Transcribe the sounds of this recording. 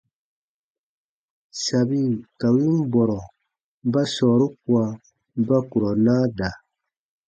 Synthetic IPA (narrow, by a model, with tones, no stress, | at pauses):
sa˨bi˦ka˨wi˦n˦bɔ˨ɾɔ˨ | ba˦sɔː˨ɾu˦k̚u˨˦a˨ | ba˦ku˨ɾɔ˨naː˦da˨